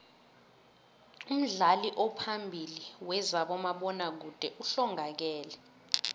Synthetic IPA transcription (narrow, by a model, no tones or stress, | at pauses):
um̩ɮaliʔɔpʰambʱiliwɛzaɓɔmaɓɔnak̬ud̥ʱɛʔuɬɔŋak̬ɛːlɛ